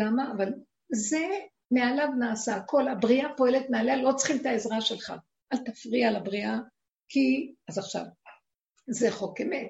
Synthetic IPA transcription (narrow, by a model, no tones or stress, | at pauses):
amaːval | ze̞ | me̞alavnaːsako̞labʁiapo̞elet̪mealealo̞t͡sχimt̪aezʁaʃe̞lχa̰ | ʔalt̪afʁialabʁia | kʰiazaχʃa̰v | zeχo̞kemet